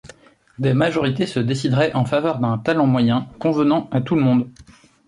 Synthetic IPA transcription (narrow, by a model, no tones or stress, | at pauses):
d̪ɛmaʒɔʁit̪esəd̪esid̪ʁɛʔɑ̃favœʁd̪ɛ̃t̪alɑ̃mwajɛ̃kɔ̃vənɑ̃at̪uləmɔ̃d̪